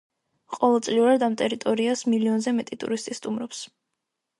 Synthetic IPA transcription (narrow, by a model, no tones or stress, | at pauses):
qʼɔlˠɛlˠt̪sʼliuɾad̪amt̪ʼɛɾit̪ʼɔɾiasmiliɔnzɛmɛt̪ʼit̪ʼṵɾist̪ʼist̪ʼumɾɔps